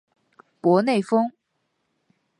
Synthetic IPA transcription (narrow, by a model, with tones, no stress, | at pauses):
pwɔ˧˥ne˥˩ɪfɤ˥ŋ